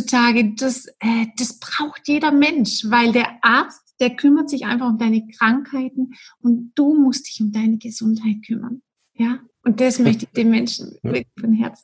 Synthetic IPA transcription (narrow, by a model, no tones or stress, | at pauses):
t͡sutʰaːɡəd̥asʔɛːd̥asb̥ʁaʊxtjeːɾɐmɛnʃvaɪldeːɐʔaɐt͡std̥eːɐkʰʏmɐtz̥ɪçʔa̰ɪnfaχʊmdaɪnəkʁ̥aŋkhaɪtn̩ʊntd̥uːmʊstd̥ɪçʊmdaɪnəɡəzʊnthaɪt̚kʰʏmɐ̰n | jaː | ʔʊnt̚d̥asmœçtəɪçd̥eːmmɛnʃn̩vɪɐklɪçfɔnɦɛ̰ɐt͡sn̩